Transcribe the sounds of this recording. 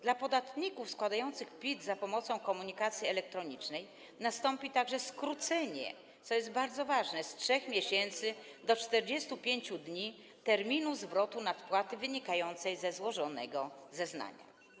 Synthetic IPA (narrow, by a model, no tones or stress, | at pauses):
d̪lapɔd̪at̪ɲikufskwad̪ajɔnt̪sɘxpʲid̪zapɔmɔt̪sɔ̃w̃kɔmuɲikat̪sʲjiɛlɛk̚t̪ɾɔɲit͡ʂnɛj | nast̪ɔmpʲit̪aɡʐɛskɾut̪sɛɲɛ̰ | t̪sɔjɛs̬t̪̚baɾd̪zɔvaʐnɛstʂɛxmʲjeɕɛnt̪sɘd̪ɔt͡ʂt̪ɛɾd͡ʑɛst̪upʲjeɲt͡ɕud̪ɲi | t̪ɛɾmʲinuzvɾɔt̪unat̪pwat̪ɘvɘɲikajɔnt̪sɛjzɛzwɔʐɔnɛ̰ɡɔzɛzna̰ɲa̰